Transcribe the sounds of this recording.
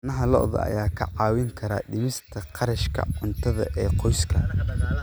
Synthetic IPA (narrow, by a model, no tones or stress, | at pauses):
nɐɦɐlɔ̰ʔðɐ̰ɐ̰jaːkʰɐʕɑːwɪŋkʰɐɾa̰ːɗɪmɪst̪ʰɐqʰɑɾɐʃkʰɐ̰ʕʊnt̪ʰɐðɐ̰ʔɛːqɔjskʰɐ